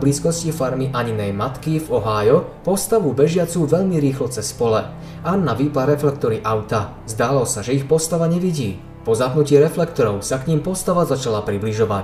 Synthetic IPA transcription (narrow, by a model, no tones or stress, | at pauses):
bliːskɔscifaɾmiʔaɲinɛjmat̪kivɔɦaːjɔpɔst̪aʋubɛʒɪat͡suːʋɛʎmiɾiːxlɔt͡sɛspɔlɛ | anːaʋiːpaɾɛflɛk̚t̪ɔɾiʔaʊt̪a | zd̪aːlɔsaʒɛixpɔst̪aʋaɲɛʋiɟiː | pɔzaɦnucɪɛɾɛflɛkt̪ɔɾɔʊsakɲiːmpɔst̪aʋazat͡ʃalapɾibliʒɔʋac